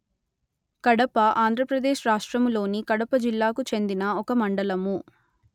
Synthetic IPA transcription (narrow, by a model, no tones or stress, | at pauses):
kɐɽɐpɐʔaːnd̪ɾɐpɾɐd̪e̞ːʃɾaːʂʈɾɐmlo̞ːnikɐɽɐpɐd͡ʒilːaːkut͡ʃe̞nd̪inɐɔkɐmɐɳɖɐlɐmu